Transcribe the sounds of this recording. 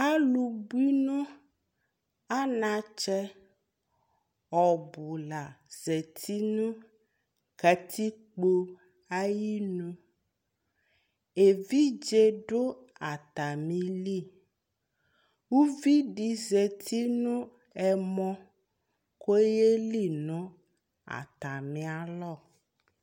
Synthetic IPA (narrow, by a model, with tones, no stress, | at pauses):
a˦lu˨bu˦i˦nũ˦ | a˦nã˨t͡ʃɛ˦ | ɔ˨bu˨la˨z̥ɛ˨t̪ʰi˦nũ˦ | ka˨t̪ʰi˦k͡po˦ | a˦ji˦nũ˦ | e˨vi˦d͡ʒe˦ɖo˦ | a˨t̪a˨mĩ˨˦li˦˨ | wu˦vi˦ɖi˨ze˨t̪ʰi˦nũ˦ | ɛ˨mɔ̃˦ | ko˦je˦li˦˨nũ˦ | a̰˨t̪a˨mĩ˨˦a˨lɔ˦˨